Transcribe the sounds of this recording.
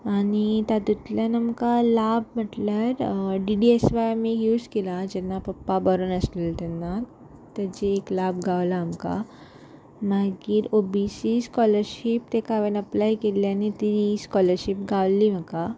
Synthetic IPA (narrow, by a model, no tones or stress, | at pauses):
añit̪jat̪ut̪ljanamkalabməʈlaɾɖiɖiesʋajamijud͡zkelad͡ʑɛnːapəpːabəɾuːnəslilt̪ɛnːa | t̪ad͡ʑiːklabɡʱaʋlaːmka̰ | maɡiːɾobisiskɔləɾɕip̚t̪ekaʋenəplajkeljanit̪iɾiskɔləɾɕipɡʱaʋliːm̤əka